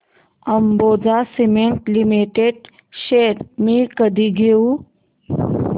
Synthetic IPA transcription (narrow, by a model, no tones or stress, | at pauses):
əmbod͡zasimeɳʈlimiʈeɖ | ɕeɾmikəd̪ʱiɡʱeũ